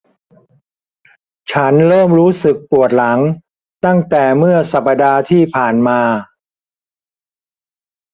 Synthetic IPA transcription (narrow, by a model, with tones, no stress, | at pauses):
t͡ɕʰa˦˥nɾɤː˥˩mɾuː˦˥sɯ˨˩k̚pu˨˩ət̪̚la˩˦ŋ | t̪a˥˩ŋt̪ɛː˨˩mɯ˥˩ɐsa˨˩pːa˧daː˧t̪ʰiː˥˩pʰaː˨˩nmaː˧